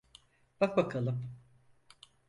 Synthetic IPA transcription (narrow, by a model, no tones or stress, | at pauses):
b̥ak̚bakʰalˠɯm